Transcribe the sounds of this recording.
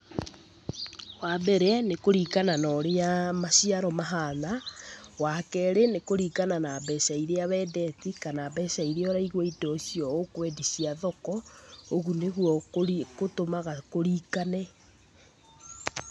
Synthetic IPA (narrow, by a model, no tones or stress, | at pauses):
wabɛɾɛanekoɾiːkananɔɾeamaɕiaɾɔmaɦanawakɛɾenekoɾiːkananabɛsaiɾeaβɛːdɛtikanabɛsaiɾeɔɾaiɣwɔidɔsiɔokwɛdisiaðɔkɔoɣuneɣuɔkotomaɣakoɾikanɛ